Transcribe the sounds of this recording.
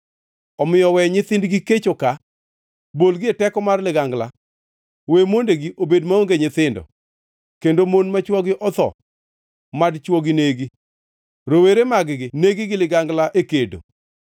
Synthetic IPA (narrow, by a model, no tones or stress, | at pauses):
ɔmɪjɔwɛɲɪt̪ɪndɡɪket͡ʃoka | bolɡɪɛtɛkɔmarlɪɡaŋɡla | wemondeɡiʔobedmaoŋɡeɲɪt̪ɪndɔ̰ | kendomonmat͡ʃwɔɡɪʔɔt̪ɔ̰ | madt͡ʃwɔɡɪneɡi | ɾoweɾemaɡɡɪneɡɪɡɪlɪɡaŋɡlaʔekedo̰